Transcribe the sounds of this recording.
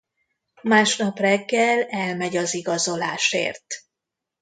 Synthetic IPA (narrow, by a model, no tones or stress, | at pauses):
maːʃnɒprɛɡːɛlɛlmɛɟɒziɡɒzo̞laːʃḛːrt̪